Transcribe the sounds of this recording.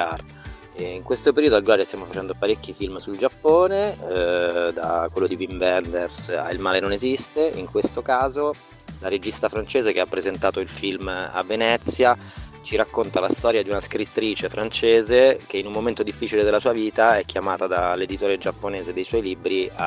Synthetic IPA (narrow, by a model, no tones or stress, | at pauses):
ar | iŋkwest̪opeɾiːod̪oalɡolaːɾest̪jamofat͡ʃɛnd̪opaɾekːifilmsuld͡ʒapːoːne | d̪akwelːod̪ivimvɛnd̪ersa̰ilmaːlenonezist̪eiŋkwest̪okaːzo | laɾed͡ʒist̪afɾant͡ʃeːzekeapːɾezent̪aːt̪oilfilma̰vːenɛt̪sːja | t͡ʃiɾakːont̪alast̪ɔːɾjad̪iunaskɾit̪ːɾiːt͡ʃefɾant͡ʃeːzek̟einumːoment̪od̪ifːiːt͡ʃiled̪elːasuːaviːt̪aɛkʰʲːjamaːt̪ad̪alːed̪it̪oːɾed͡ʒapːoneːzed̪ːejswɔjlibɾia